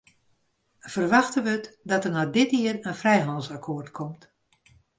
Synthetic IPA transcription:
v̥ərʋaxtəʋətdɔtərnadɪtɪərənfrɛjɦɑndsakʰoːrtkʰɔmt

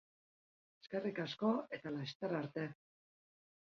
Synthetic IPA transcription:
eskerikasko̞e̞t̪alast̪aɾaɾt̪e̞

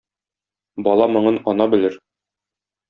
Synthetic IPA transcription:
bɒlˠɑmɤ̆ɴɤnɒnɑbɘ̆lɘɾ

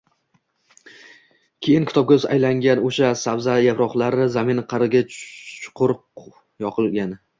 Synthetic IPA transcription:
kʲʰe̞jɪnkʲʰɪt̪ɒp̚kʲazajlaŋɡʲanoʃasawzajapɾɒχlˠaɾɪzamɪnqʰɑɾɪɡʲat͡ʃʰʊ̥qʰʊɾq | jɒqʰɨlˠɡʲan

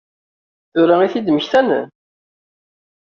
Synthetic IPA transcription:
θʊɾaiθid̪məçθænə̰n

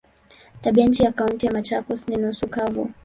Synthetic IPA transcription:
taɓiaɲ̩t͡ʃijakauntijamat͡ʃakɔsninusukavṵ

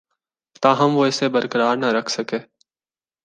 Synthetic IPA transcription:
t̪ãːɦəmʋoːɪseːbəɾkəɾaːɾnəɾəkʰsəkeː

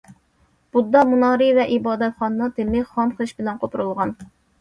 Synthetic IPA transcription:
b̥ud̪ɑmunɑːɾɨvɛʔibɑːd̪ɛt̪χɑnːɑt̪ʰɪmɪχɑmχəʃbɪlɛnqʰopʰɾulˠʁɑn

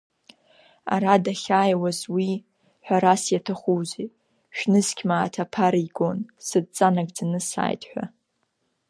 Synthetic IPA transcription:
a̰ɾadaχʲaːjwazwi | ħʷᶣaɾasjatʰaχʷuze | ʃᶣnɨzkʲʰmaːtʰapʰaɾiɡo̞nsɨd̚t͡sʼanaɡʼd͡zanɨsa̰ːjtʼħʷᶣa̰

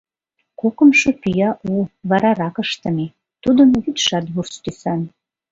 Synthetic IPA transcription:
kokə̆mʃɤ̆pyjɑʔuβɑɾɑɾɑkəʃt̪ə̆me | t̪ud̪əmβyt̪ʃɑt̪βurst̪ysɑn

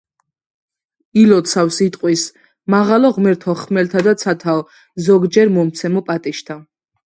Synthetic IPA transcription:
ilɔt̪sʰafsit̪ʼqʼwis | maʁalɔʁmɛɾt̪ʰɔχmɛlt̪ʰad̪at̪sʰat̪ʰav | zɔɡd͡ʒɛɾmɔmt̪sʰɛmɔpʼat̪ʼiʃt̪ʰa

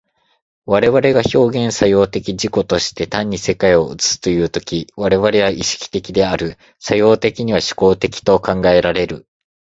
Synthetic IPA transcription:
βaɾe̞βaɾe̞ɡaço̞ːɡẽ̞ɰ̃sajo̞ːt̪e̞kʲiʑiko̞t̪o̞ɕi̥t̪e̞t̪ãɲ̟ːise̞kaio̞ɯ̰t͡sɨ̥sɨ̥t̪o̞jɯ̟ːt̪o̞kʲiβaɾe̞βaɾe̞βaʔiɕi̥kʲi̥t̪e̞kʲid̪e̞aɾɯ̟ | sajo̞ːt̪e̞kʲiɲ̟iβaɕi̥ko̞ːt̪e̞kʲi̥t̪o̞kãŋɡae̞ɾaɾe̞ɾɯ̟

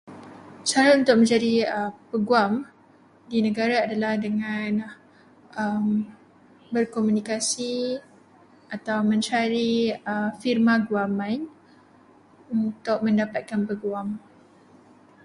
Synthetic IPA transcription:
t͡ʃaɾaunt̪ʊk̚mə̃ɲd͡ʒadiəpəɡuam | dinə̃ɡaɾaːdalahdəŋãn | ʔəm | bərkomũnikasi | ʔat̪awmə̃ɲt͡ʃaɾiəfirmãɡuamãn | unt̪ʊk̚mə̃ndapat̪̚kanpəɡuam

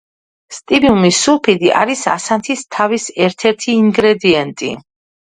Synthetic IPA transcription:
st̪ʼibiumisulˠpʰid̪iʔa̰ɾisa̰sant̪ʰist̪ʰavisɛɾt̪ʰɛɾt̪ʰiːŋɡɾɛd̪iɛnt̪ʼḭ

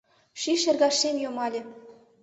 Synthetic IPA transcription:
ʃiʃĕrɣɑʃemjomɑlʲĕ

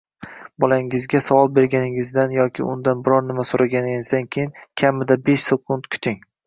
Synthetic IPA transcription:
bɒlaŋɪzɡʲasavɒlˠbe̞ɾɡʲanɪŋɪzd̪anjɒkʲʰɪ̰ʊ̰nd̪anbɪɾɒɾnɪmasoɾaɡʲanɪŋɪzd̪ankʲʰejɪnkʲʰamɪd̪abe̞ʃsekʰʊnt̪kʰʊ̥t̪ʰɪŋ

